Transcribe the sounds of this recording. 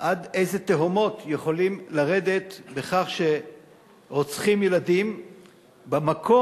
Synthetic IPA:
ʔad̪ejzet̪eɦomo̞t̪jeχo̞limlaʁe̞d̪e̞t̪be̞χaχʃe̞ | ʁo̞t͡sχimjelad̪im | bamakʰo̞

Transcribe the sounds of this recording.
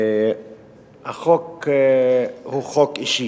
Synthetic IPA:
aχok | huχokʼiʃi

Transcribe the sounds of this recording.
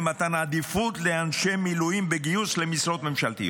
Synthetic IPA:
mat̪anad̪ifut̪leanʃemilujimbeɡijuslemisʁo̞t̪me̞mʃalt̪ḭ

